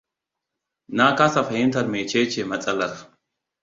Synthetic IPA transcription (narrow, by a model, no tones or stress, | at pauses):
naːkaːsɐfɐhɪnt̪ɐɾmeːt͡ʃeːt͡ʃːɛmɐt͡sʼɐlɐɾ